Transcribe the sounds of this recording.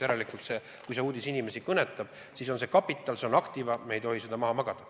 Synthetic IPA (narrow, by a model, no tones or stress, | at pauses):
eɾelikˑut̪se̞ | kujseuːd̪̥isinime̞sikɤne̞t̪ːˑɑb̥ | siso̞nsekɑpːit̪ːˑɑlse̞o̞nɑkt̪ivɑmeejt̪o̞ɦise̞d̪̥ɑmɑɦɑmɑɡ̥ɑd̪̥ɑ